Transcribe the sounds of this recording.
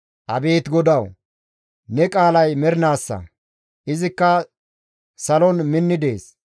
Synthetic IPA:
ʔɐbe̞ːt̪ɡɔd̪ɐw | nɛkʼaːlɐjmɛɾɪnaːsːɐ̰ | ʔɪzɪkːɐ | sɐlɔnmɪnːɪd̪e̞ːs

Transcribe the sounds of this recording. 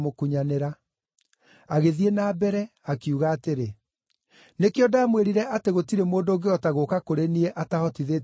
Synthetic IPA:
mokuɲaneɾa | aɣeðienaːbɛɾɛ | akiuɣaːteɾe | nekeɔdaːmweɾiɾɛʔateɣotiɾemoːndoːŋɡeɔtaɣokakoɾeniɛʔatahɔtiðe

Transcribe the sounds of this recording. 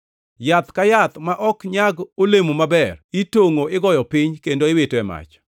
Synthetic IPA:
jat̪kajat̪maʔɔkɲaɡolemomabɛritoŋoɪɡɔjɔpɪɲkendoɪwetoɛma̰t͡ʃ

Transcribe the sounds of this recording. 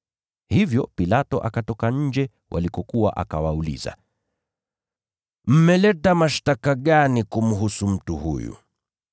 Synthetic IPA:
hivjɔpilatɔʔakatɔkaɲ̩d͡ʒɛ | wʔa̰likɔkuwaʔakawaulḭza̰ | m̩mɛlɛtamaʃtakaɠanikum̩ɦusum̩tuhṵjṵ

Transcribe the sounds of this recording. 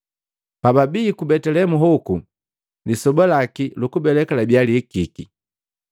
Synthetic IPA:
pababiːkubɛtɛlɛmuɦɔku | lisɔbalakilukubɛlɛkalabjalikiki

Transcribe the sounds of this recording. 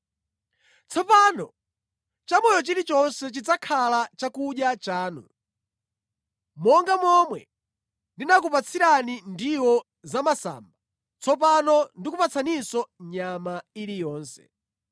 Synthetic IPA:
t͡sʰɔpanɔ | t͡ʃamɔjɔt͡ʃiɾit͡ʃɔnsɛt͡ʃid͡zakʰalat͡ʃakuɗjat͡ʃaːnṵ | mɔŋɡamɔmwɛ̰ | ndinakupat͡sʰiɾanindiwɔ | zamasa̰ːmba | t͡sʰɔp̬anɔndikupat͡sʰanisɔɲamailijɔːnsɛ̥̰

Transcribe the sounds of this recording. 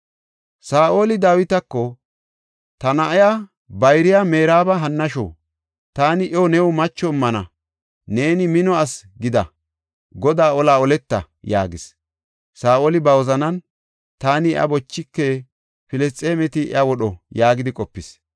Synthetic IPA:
saːʔo̞ːlɪd̪aːwɪt̪ɐkːɔ | t̪ɐnɐʔja | bɐjɾɪjame̞ːɾaːbɐɦɐnːɐʃo̰ː | t̪aːnɪʔɔwnɛwʊmɐt͡ʃːɔɪmːɐnɐ | ne̞ːnɪmɪnɔɐsɡɪd̪ɐ̰ | ɡɔd̪aːɔlaːɔlɛt̪ːɐ | ja̰ːɡɪs | saːʔoːlɪbɐwɔzɐnɐn | t̪aːnɪʔɐ̰bɔt͡ʃːɪkːe | pɪlɛst͡sʼeːmɛt̪ɪɐwɔɗɔjaːɡɪd̪ɪkʼɔpːɪs

